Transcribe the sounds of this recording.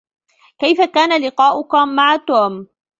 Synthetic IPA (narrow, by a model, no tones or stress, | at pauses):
kajfakaːnalɪqɑːʔʊkamaʕat̪uːm